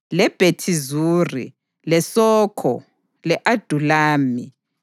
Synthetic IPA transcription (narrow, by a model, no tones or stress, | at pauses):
lɛb̥ʱetʰizuːrḭ | lɛsɔːkʰɔ̰ | lɛʔad̥ʱulaːmi